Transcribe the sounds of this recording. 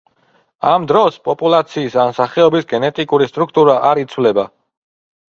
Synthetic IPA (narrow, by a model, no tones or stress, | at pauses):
amd̪ɾɔspʼɔpʼulˠat̪sʰiːsanmsaχɛɔbisɡɛnɛt̪ʼikʼuɾist̪ʼɾukʰt̪ʼuɾaʔaɾit̪sʰwlɛba